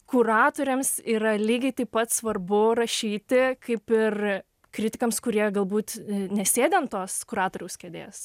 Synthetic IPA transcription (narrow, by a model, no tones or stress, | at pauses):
kʊɾɑːt̪oːɾʲemsiːɾɐlʲiːɡʲɛɪt̪ɐɪppɐt̪sʋɐrbʊɾɐʃʲiːt̪ʲɪkʰɐɪpɪr | kɾʲɪtʲɪkɐmskʊɾʲiɛɡɐlˠbuːt̪nʲɛsʲeːd̪ʲɛnt̪oːskʊɾɑːt̪oːɾʲɛʊskʲɛːd̪ʲḛːs